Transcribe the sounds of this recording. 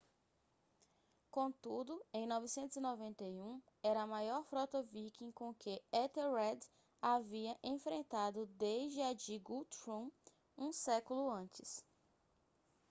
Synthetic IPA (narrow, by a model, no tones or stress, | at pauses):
kõt̪ud̪ʊẽj̃nɔvisẽnt̪ʊzinɔvẽnt̪ejũ | ɛɾɐːmajɔɾfɾɔt̪ɐvikĩkõkeɛt̪eɾɛd̪ | aviɐʔẽfɾẽnt̪ad̪ʊd̪eʒd͡ʒɪad͡ʒiɡut̪ɾũ | ũsɛkʊlʊɐ̃t͡ʃɪs